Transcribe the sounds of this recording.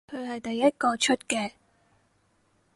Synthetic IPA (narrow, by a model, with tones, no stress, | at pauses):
kʰɵ˨˧ɥhɐ˨jt̪ɐ˨jːɐ˥t̚kɔː˧t͡ʃʰɵ˥t̚kɛː˧